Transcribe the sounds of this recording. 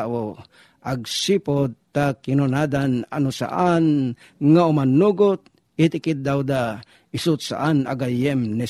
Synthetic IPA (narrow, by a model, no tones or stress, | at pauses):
ʔo | ʔaɡsipod̪̚t̪akɪnʊnad̪ana̰nʊsa̰ʔan | ŋaʊmanːuɡʊt̪̚ | it̪ɪkɪd̪̚d̪awd̪a | ɪsʊt̪̚sa̰ʔana̰ɡajɛmnɛ